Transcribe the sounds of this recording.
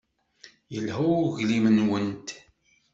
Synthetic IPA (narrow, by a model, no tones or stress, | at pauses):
jəlɦuʝlimənwənt̪